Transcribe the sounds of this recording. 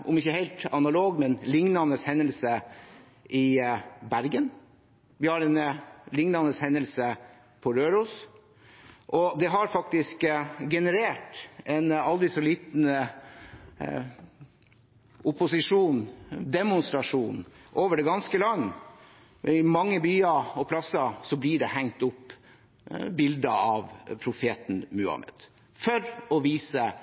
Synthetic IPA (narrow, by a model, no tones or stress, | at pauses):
ʔɔ̰mɪçːəheɪlt̪ɑnɑloːɡmɛnlɪŋnɑnəshɛnəlsə | ɪbæɾɡən | ʋɪhɑɾɛnlɪŋnɑnəshɛnːəlsə | pʰɔɾøːɾuːs | ʔɔd̪ɛɦɑɾfɑk̚t̪ɪskɡɛnəɾeːʈɛnɑld̪ɪsɔliːt̪n̩ | ʊpʊsɪʂuːnd̪ɛmʊnst̪ɾɑʂuːnʔoːʋəɖɛɡɑnskəlɑnː | ɪmɑŋːəbyːɑɔpʰlɑsɑsɔblɪɖɛhæŋt̪ʊpː | bɪld̪əɑʋpʰɾʊfeːt̪n̩mʉɑ̰mɛ̰d̪̥ | fɔɾɔʋiːsə